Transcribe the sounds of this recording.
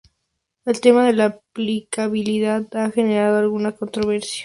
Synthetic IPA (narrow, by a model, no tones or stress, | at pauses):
e̞lt̪e̞maðe̞laːplikaβiliðaðaxe̞ne̞ɾað̞oalɣunako̞nt̪ɾo̞βeɾsja